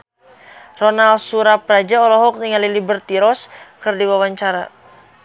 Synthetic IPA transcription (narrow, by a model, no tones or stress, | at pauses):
rɔnalsuɾapɾad͡ʒaɔlɔɦɔk̚niŋalilibərt̪iɾɔskərdiwawaɲt͡ʃaɾa̰